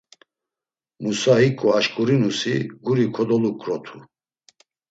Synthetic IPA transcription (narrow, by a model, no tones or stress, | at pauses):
musaɦikʼuaʃkʼuɾinusiɡuɾikʰɔd̪ɔlukʼɾɔt̪ʰu